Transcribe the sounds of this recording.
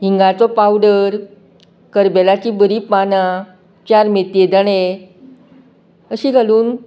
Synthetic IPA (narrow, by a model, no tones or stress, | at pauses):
ɦiŋɡat͡sɔpawɖəɾ | kəɾbelat͡ɕiːbəɾiːpana | t͡ɕaɾmet̪ed̪əɽe | əɕiːɡʱaluːn